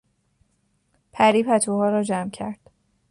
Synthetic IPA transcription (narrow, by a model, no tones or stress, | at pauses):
pʰæɾiːpʰæt̪ʰuhɒːɾɒːd͡ʒæmcʰæ̰ɾd̪̥